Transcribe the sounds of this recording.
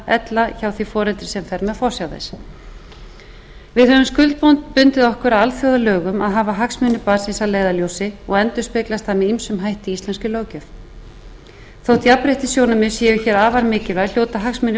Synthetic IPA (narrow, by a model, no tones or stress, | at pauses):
ɛt̪laçaːwθifɔːɾɛlt̪ɾɪ̥sɛmfɛɾmɛðfɔr̥sjawðḛs | vɪðhœvʏmskʏlt̪̚pownt̪pʏnt̪ɪðɔhkʏɾawalfjowðalœːɣʏmaðɦaːvaɦaksmɪnʏpaːsinsaleːjðaljowsɪɔɣɛnt̪ʏ̥spɪklast̪hanːɪimsʏmɦajht̪iist̪lɛnskcʏloːwcœf | θowt̪ʰiapɾejht̪ɪsjoːwnʏmɪsjɛːjʏçɛːɾaːvaɾmɪːcɪlval̥jowt̪aɦaksmɪnːʏ